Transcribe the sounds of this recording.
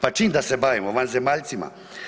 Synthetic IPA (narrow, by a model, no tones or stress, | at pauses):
pat͡ʃiːmd̪asɛbaːʋimoʋanzemaʎt̪sima̰